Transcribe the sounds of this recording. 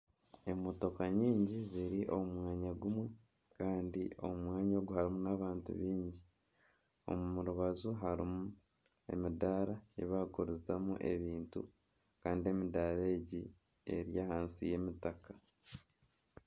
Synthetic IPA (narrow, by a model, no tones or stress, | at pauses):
e̞moto̞kaɲiːɲɟiziɾiʔo̞mumwaːɲaɡumwe | kaːndio̞̰umwaːɲo̞ːɡuhaɾimunaβaːntṵβiːɲɟi | o̞̰mumuɾuβazuɦaɾimu | e̞̰midaɾaḛβaɡoɾuzamuʔe̞̰βiːntṵ | kaːndie̞midaɾeːɟi | e̞̰ɾjahaːnsḭje̞ːmitaka